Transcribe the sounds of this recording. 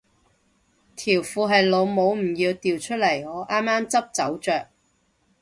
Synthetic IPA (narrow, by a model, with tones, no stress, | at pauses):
t̪ʰiː˨˩wfuː˨˧ɦɐ˨jlo˨˧wmo˨˧wm̩˨˩jiː˧wt̪iː˨wt͡ʃʰɵ˥t̚lɐ˨˩jhɔː˨˥ʔaː˥mːaː˥mt͡sɐ˥p̚t͡sɐ˨˥wt͡ʃœː˨k̚